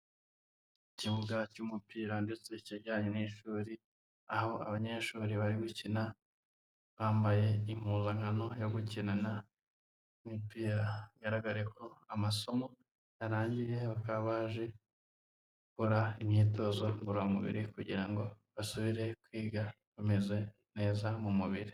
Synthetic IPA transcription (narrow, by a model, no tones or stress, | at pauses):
iciβuɡacumupiːɾandet͡se̞iciɾɟaːɲoniʃuːɾi | aho̞a̰βaɲe̞ʃuːɾiβaɾiɡucina | βaːmbaje̞im̥huːzaŋano̞jo̞ɡucinana | imipiːɾaiɡaɾaɡaɾeko̞amaso̞mo̞ | jaɾaːɲɟije̞βakaβaʒe̞ | ukoɾaimɲiːto̞ːzo̞ɡuɾaumuβḭɾikuɟiɾaŋɡo̞ | βasuβiɾe̞kwiːɡa | kume̞ze̞ | ne̞ːzamumuβiɾi